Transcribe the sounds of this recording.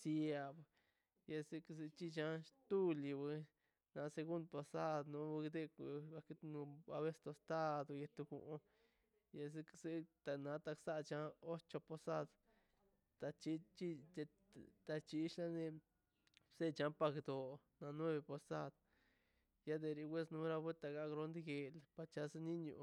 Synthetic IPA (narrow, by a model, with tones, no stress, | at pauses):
sja˨b | ja˧se˧kse˧t͡ʃi˦t͡ʃa˧ʃt̪u˦li˧be˧˦ | na˧se˧ɡu˦nd̪̚po˧sa˦d̪nu˧bɡd̪e˦˧ka˧k̪nu˧a˧βe˦st̪o˧st̪a˦d̪o˧je˧t̪u˧ɡṵ˧ʔ | je˧s̬e˧kse˦t̪a˧˨na˧t̪a˧ksa˦ʔt͡ʃa˧o˦t͡ʃo˧po˧sa˦d̪ | t̪a˧t͡ʃi˦t͡ʃi˦e˧ | t̪a˧t͡ʃi˧ʃla˦ne˧ | se˦t͡ʃa˧˦pa˧kd̪o˨na˧nwe˦βe˧po˧sa˦d̪ | ja˦d̪e˧ɾi˧wʷe˦snu˧ɾa˦˧be˦t̪a˨ɡa˧˦ɡɾo˧nd̪i˦ɡe˨lpa˨˧t͡ʃa˧se˦ni˦ɲṵ˧˨